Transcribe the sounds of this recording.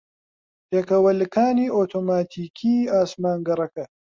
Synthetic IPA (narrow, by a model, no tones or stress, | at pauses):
peːkɐwɐlɨkaːniːʔot̪ʰoːmaːt̪ʰiːkʰiːaːsmaːŋɡɐrɐkɐ